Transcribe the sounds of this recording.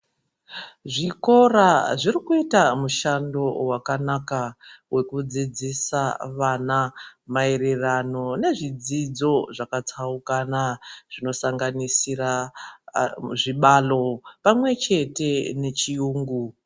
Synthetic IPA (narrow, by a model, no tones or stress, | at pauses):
ʐiko̞raʐirikuitamuʃando̞wakanakawʔe̞kud͡zid͡zisaʋanamae̞re̞rano̞ne̞ʐid͡zid͡zo̞ʐakat͡saukanaʐ̥ino̞saŋɡanisira | ʐiɓalo̞pamwe̞t͡ʃe̞te̞ne̞t͡ʃiuːŋɡu